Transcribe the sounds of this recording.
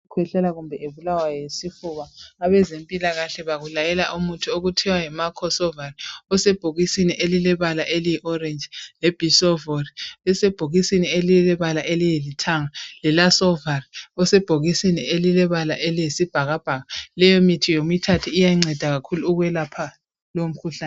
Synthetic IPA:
kʰwɛɬɛlaɣumbʱɛʔeβulawajɔjesifuβaːβɛzempʼilaɣaɬɛβaɣulajɛlaʔumutʰuoɣutʰɛwajɛmakʰɔsɔvariɔsɛb̥ʱoɣisiniʔelilɛβalaʔelijiʔɔrend͡ʒlɛb̥ʱisɔvoriɛsɛb̥ʱoɣisinielilɛβalaʔelijelitʰaŋalɛlasɔvariɔsɛb̥ʱoɣisinielilɛβalaʔelijesib̥ʱaɣab̥ʱaɣalɛjomitʰijomitʰatʰiːjaiŋ͡ǀɛd̥ʱaɣakʰuluːɣwɛlapʰa | lom̩kʰuɬaː

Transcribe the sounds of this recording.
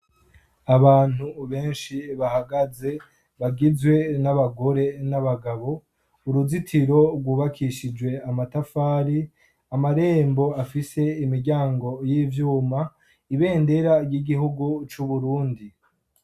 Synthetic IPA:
aβaːn̥huβe̞ːnʃiβahaɡaze̞ | βaɡizwe̞naβaɡo̞ɾe̞naβaɡaβo̞ | uɾuzitʰiɾo̞ɾɡwuːβakʰiʃid͡ʒwe̞amatafaːɾi | amaɾe̞ːmbo̞afise̞imiɾɟaːŋɡo̞jiːvjuːma | iβe̞ːnde̞ɾajiɡiɦuɡut͡ʃuβuɾuːndi

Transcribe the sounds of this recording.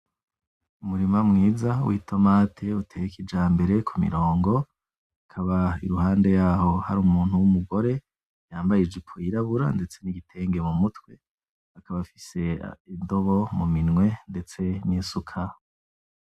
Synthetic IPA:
umuɾimamŋiːzawʔḭːtʰo̞matʰe̞utʰejikʰid͡ʒaːmbe̞ɾe̞kʰumḭɾo̞ːŋɡo̞ | akʰaβaḭɾuhaːnde̞jaːɦo̞ha̰ɾuːmuːn̥uwumuɡo̞ɾe̞ | jaːmbajid͡ʒikʰoiɾaβuɾa̰nde̞t͡se̞niɡitʰe̞ŋɡemumutwe̞ | akʰaβafi̥se̞indo̞βomuminŋwe̞nde̞t͡se̞niːsukʰa

